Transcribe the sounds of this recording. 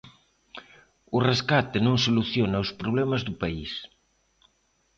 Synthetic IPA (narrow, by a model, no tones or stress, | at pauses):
ureskat̪enõŋsoluθjonawspɾoβ̞lɛmɐzðupais